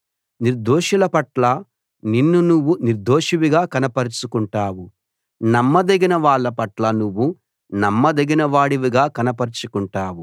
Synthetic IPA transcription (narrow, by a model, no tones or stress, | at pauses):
niɾd̪oːʃulɐpɐʈlɐ | ninːunuʋːuniɾd̪oːʂiʋiɡaːkɐnɐpɐɾit͡ʃukuɳʈaːwu | nɐmːɐd̪eɡinɐʋaːɭːɐpɐʈlɐnuʋːu | nɐmːɐd̪eɡinɐʋaːɽiʋiɡaːkɐnɐpɐɾit͡ʃukuɳʈaːwu